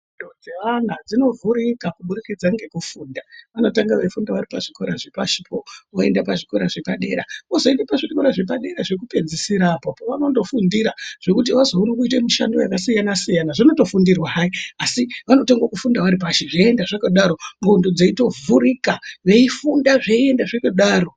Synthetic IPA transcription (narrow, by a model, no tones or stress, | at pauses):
undod͡ze̞ʋan̤ad͡zino̞vʱuɾikakuɓuɾikid͡zaŋɡe̞kufuːndaʋano̞taŋɡaʋefundaʋaɾipaʐiko̞ɾaʐepaʃipʰooe̞̰ndepaʐiko̞ɾaʐe̞paɗe̞ːɾaozo̞endepaʐiko̞ɾaʐe̞p̬aɗe̞ɾaʐe̞kupe̞d͡zisiɾapopoʋano̞ndo̞fundiɾaʐ̥e̞kut̬iʋazouɾikuit̬emuʃa̰ndoja̰kasijanasijanaʐino̞to̞fundirwaɦaiasiʋano̞toŋɡakufundaʋaɾipaʃeʐeendaʐakaɗaɾo̞mundod͡zeito̞vuɾikaʋe̞ifundaʐeie̞ndaʐekuɗaːro̞